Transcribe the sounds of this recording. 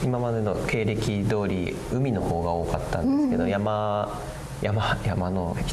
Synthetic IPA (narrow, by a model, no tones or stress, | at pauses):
imamad̪e̞no̞ke̞ːɾe̞kʲid̪o̞ːɾʲḭ | ɯ̟mʲino̞ho̞ːɡao̞ːkat̪ːã̰nd̪esɨ̥ke̞d̪ojama | jamajamano̞̥